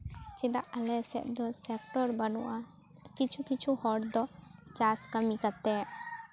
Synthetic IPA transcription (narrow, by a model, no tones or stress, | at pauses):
t͡ʃid̪aʔəlɛsɛ̰ʔ̪̚d̪ɔsɛkʈɔɾbanṵʔa | kit͡ʃʰukit͡ʃʰuhɔɽd̪ɔt͡ʃaskəmikat̪ɛ